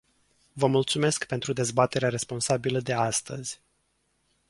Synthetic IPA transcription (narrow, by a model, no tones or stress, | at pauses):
vəmult̪sume̞skpe̞nt̪ɾud̪e̞zbat̪e̞ɾeaɾe̞spo̞nsabiləd̪e̞ast̪əz̥ʲ